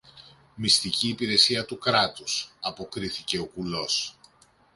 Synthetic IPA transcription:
mist̪iciːpiɾe̞siɐt̪ukɾɐt̪usɐpo̞kɾiθice̞o̞kulo̞s

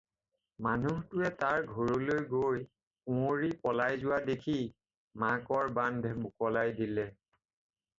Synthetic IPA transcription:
manuɦtʊɛtaɹɡʱɔɹolojɡoj | ũoɹipɔlajzʊwadekʰi | makɔɹbandʱmʊkɔlajdilɛ

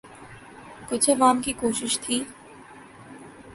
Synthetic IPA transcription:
kʊt͡ʃʰəʋaːmkiːkoːʃɪʃt̪ʰiː

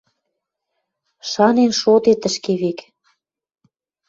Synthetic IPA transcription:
ʃɑnenʃot̪et̪ə̆ʃkeβek

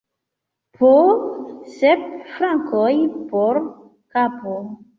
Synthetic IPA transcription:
pʰo | sep̚fɾaŋkojpoɾ | kapo

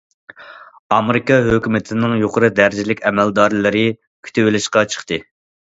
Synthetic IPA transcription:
ɑmeɾɪkɑɦøkʲymɪt̪ʰɪnɪŋjoqʰəɾɨd̪æɾd͡ʒilɪkʲɛmæld̪ɑɾlˠɨɾɨ | kʲʰy̥t̪ʰewɪlɪʃqɑt͡ʃʰə̥χt̪ɨ

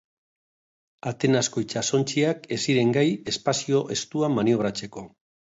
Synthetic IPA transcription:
at̪e̞nasko̞jt͡ʃaso̞nt͡ʃiake̞siɾe̞ŋɡaje̞spasio̞ʔe̞st̪uamanio̞β̞ɾat͡se̞ko̞

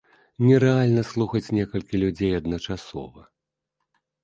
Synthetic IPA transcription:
nʲɛɾɛalʲnɐslˠuxɐt͡sʲnʲɛkɐlʲkʲilʲud͡zʲejɐd̪nɐt͡ʂasɔ̰vɐ

